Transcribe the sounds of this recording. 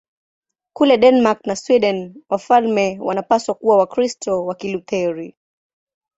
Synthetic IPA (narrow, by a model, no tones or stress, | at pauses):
kulɛɗɛnmak̚naswiɗɛnwafalmɛwanapaswakuwawakɾistɔwakilut̪ɛɾi